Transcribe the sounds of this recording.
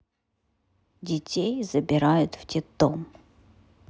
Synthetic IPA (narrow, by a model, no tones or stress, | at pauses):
dʲɪtʲejzəbʲɪɾajʊt̪ftʲɪt̪om